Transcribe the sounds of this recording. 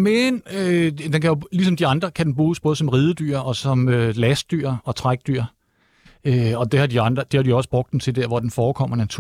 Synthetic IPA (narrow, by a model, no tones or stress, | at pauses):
menød̥enkʰæjo̝lisɒ̽md̥iɑ̈nd̥ʁɐkʰæd̥en̩b̥ʁuːsb̥ɔ̽ːð̞ˠsɒ̽mʁiːðˠəd̥y̰ːɐ̰ɒ̽sɒ̽mølæsd̥yɐ̰ɒ̽t͡sʰʁaɡ̥̚d̥yɐ̰ | øɒ̽d̥e̝hɑ̈d̥iɑ̈nd̥ʁɐd̥ehɑ̈diɒ̽səb̥ʁɔ̽ɡ̥d̥ent͡sʰe̝d̥eɐ̰ʋɒd̥enfɒːkʰɒ̽m̰ɐnæt͡sʰu